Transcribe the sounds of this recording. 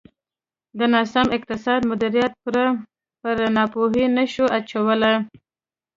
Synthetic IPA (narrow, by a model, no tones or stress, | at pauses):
d̪ənɑsɑmɪq̚t̪ɪsɑd̪mʊd̪iɾijat̪̚puɾa | pəɾnɑpoɦinəʃoʔat͡ʃawəlaj